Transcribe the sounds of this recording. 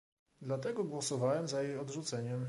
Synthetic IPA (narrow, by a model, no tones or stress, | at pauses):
d̪lat̪ɛɡɔɡwɔsɔvawɛmzajejɔd̪ʐut̪sɛɲɛm